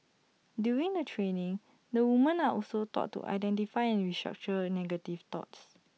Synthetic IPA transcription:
djuɹĩŋdətʰɹenĩŋ | dəwumə̃naʔɔlsot̪ɔ̰tːṵʔa̰jdɛ̃ntifaɪɛ̃nɹistɹa̰k̚t͡ʃənɛɡətift̪ɔ̰ts

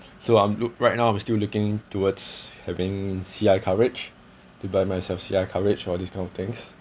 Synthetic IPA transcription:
soãɪ̃mluɹaɪt̚naʊãɪ̃mstillukɪ̃ŋtʰuwədshɛvɪ̃ŋsiaɪkʰaɹɪd͡ʒ | tubamaɪsɛlfsḭaɪkʰaɹɪd͡ʒɔdiskãɪ̃nɔft̪ɪ̃ŋs

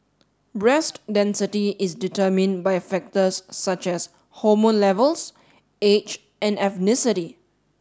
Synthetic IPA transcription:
bɹɛstdɛ̃nsɪtiʔɪsditəmɪ̃nbajfɛk̚təsːat͡ʃɛs | hɔmɔ̃nlɛvəls | et͡ʃ | ɛ̃nɛfnɪsɪti

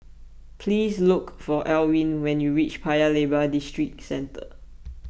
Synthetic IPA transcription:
pʰlislukfɔʔɛlwĩnwɛ̃njuɹit͡ʃpʰajəlebədistɹik̚sɛ̃ntʰə̰

